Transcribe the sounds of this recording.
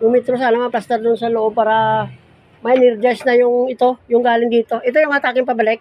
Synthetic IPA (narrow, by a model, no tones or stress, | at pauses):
jʊŋmɛt̪ɾos̬aːnɐmɐplast̪ɛɾd̪ʊnsɐloʔob̚paːɾɐ | mɐɪnɪɾd͡ʒɐsnɐjʊŋɪt̪o̞jʊŋɡaːlɪŋd̪iːt̪o̞ʔɪt̪ojʊŋmɐat̪aːkɪŋpɐbɐlɛk̚